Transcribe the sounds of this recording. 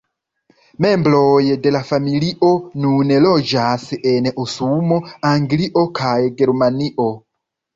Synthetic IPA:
memblojde̞lafamiliʔo̞nunelod͡ʒaseneʔosumoaŋɡliʔokʰajɡeɾmaniʔo̞

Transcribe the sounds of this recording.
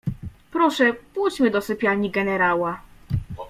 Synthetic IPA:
pɾɔʂɛpujt͡ɕmɘd̪ɔsɘpʲjaɲiɡɛnɛɾawa

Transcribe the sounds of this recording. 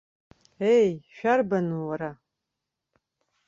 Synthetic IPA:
ejʃᶣarbanuwaɾa

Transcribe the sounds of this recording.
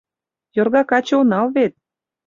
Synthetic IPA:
jorɣɑkɑt͡ɕonɑlβet̪̚

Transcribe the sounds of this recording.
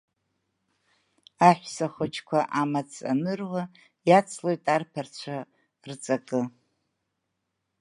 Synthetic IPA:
aħʷᶣsaχʷʊt͡ʃʰkʷʰaʔamat͡sʰʼa̰nɨrʁʷa | jat͡sʰlo̞jtʼarpʰart͡ɕʷʰa | rt͡sʼakʼɨ

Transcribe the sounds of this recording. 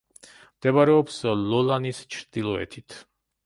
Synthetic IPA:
md̪̥ɛbaɾɛɔpslɔlanist͡ʃʰɾd̪̥ilˠɔɛ̰t̪ʰit̪ʰ

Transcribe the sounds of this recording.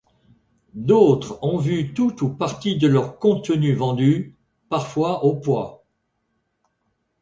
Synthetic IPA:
d̪ot̪χɔ̃vyt̪ut̪upaʁt̪id̪əlœʁkɔ̃t̪ənyvɑ̃d̪y | paʁfwaʔopwa̰

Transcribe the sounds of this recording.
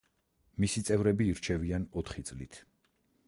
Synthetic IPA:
misit̪sʼɛvɾɛbiːɾt͡ʃʰɛvianɔt̪ʰχit̪sʼlit̪ʰ

